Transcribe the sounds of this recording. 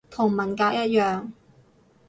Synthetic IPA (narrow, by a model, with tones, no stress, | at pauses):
t̪ʰʊ˨˩ŋmɐ˨˩nkaː˧k̚jɐ˥t̚jœː˨ŋ